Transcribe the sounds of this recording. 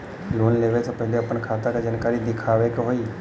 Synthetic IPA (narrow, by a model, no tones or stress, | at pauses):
loːnleːʋesʰepɛɦleɐpənkʰaːt̪akad͡ʒənkaːɾid̪ɪkʰaːʋekɦoːi